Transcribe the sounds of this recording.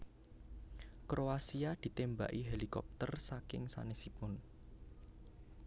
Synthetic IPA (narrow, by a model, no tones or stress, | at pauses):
kɾoasiad̪̥i̤t̪emba̰ʔiɦelikɔ̰p̚t̪ərsakɪ̰ŋsa̰nesipʊn